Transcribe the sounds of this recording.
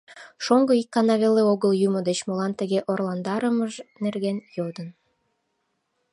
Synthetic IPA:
ʃoŋɡɤikːɑnɑβeleoɣəljumod̪et͡ɕmolɑnt̪ə̆ɣeʔorlˠɑnd̪ɑɾəməʒnerɣenjod̪ən

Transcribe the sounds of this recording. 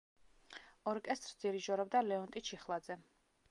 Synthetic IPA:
ɔɾkʼɛst̪ʼɾsd̪ziɾiʒɔɾɔb̚d̪alɛɔnt̪ʼit͡ʃʰiχlˠad̪zɛ

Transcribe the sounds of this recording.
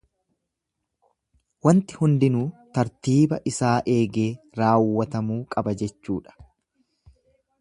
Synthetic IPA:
wɐnt̪ɪ̥hʊnd̪ɪnuːt̪ɐɾt̪iːbɐʔɪsaːʔe̞ːɡe̞ː | ɾaːwːɐt̪ɐmuːkʼɐbɐd͡ʒɛt͡ʃːuːᶑɐ̥

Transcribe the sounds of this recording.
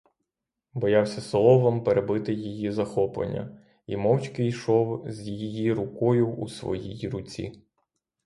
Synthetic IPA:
bɔjɑwsʲɐslˠɔʋɐmpeɾebɪt̪ɪjijizɐxɔplˠḛnʲːɐ̰ | ḭmɔwt͡ʃkɪjʃɔwzʲjijijiɾʊkɔjʊṵsʋɔ̰jijɾʊt͡sʲḭ

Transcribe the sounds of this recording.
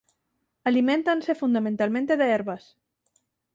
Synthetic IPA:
alimẽnt̪ansefund̪amẽnt̪almẽnt̪eðeeɾβas

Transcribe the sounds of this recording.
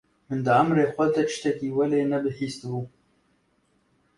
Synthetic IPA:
mɨnd̪ɨamɾeːxʷɛd̪ɛt̪ɪ̥ʃt̪ɛkiːwɛleːnɛbɨhiːst̪ɨbuː

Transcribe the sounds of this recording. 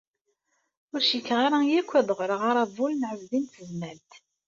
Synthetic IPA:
ʊɾʃikːʁaɾajækʷːæðʁɾəʁaɾˤɑvˤulnʕəzðint̪əzmælt̪

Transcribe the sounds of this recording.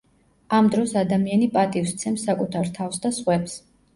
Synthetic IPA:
amd̪ɾɔsad̪amianipʼat̪ʼifst̪sʰɛmsːakʼut̪ʰaɾt̪ʰafsd̪asχwɛps

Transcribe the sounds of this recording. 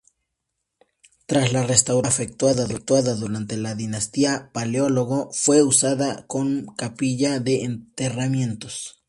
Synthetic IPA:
t̪ɾaslarest̪awɾafek̚t̪waðaðuk̚t̪waðaðuɾant̪elaðinast̪iapaleoloɣofweusaðakoŋkapiʝaðeːnt̪eramje̞nt̪os

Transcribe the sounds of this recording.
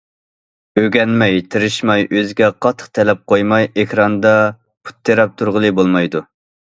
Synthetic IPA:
øɡʲɛnmɛjt̪ʰɨɾɨʃmɑjʔøzɪɡʲɛqʰɑt̪ʰːə̥qt̪ʰɛlɛp̚qʰojmɑjʔɪxɾɑnd̪ɑ | pʰu̥t̪ʰːeɾɛp̚t̪ʰuɾʁəlˠɨbolˠmɑjd̪u

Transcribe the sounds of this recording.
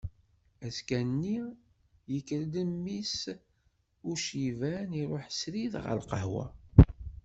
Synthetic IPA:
æskænːi | jəkːɾləmːis | ʊɾʃivæniɾˤoħsɾiðʁə̰lqəɦwæ̰

